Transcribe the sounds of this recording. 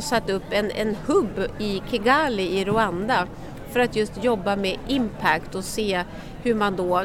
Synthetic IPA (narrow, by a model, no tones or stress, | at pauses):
sat̪ːɵpːɛnɛ̰nhɵbːɪkʰɛɡaːlɪɪɾʊand̪a | fœɾat̪jɵst̪jɔbːamɛʔɪmpʰækt̪ɔseː | hɵɾmand̪ɔ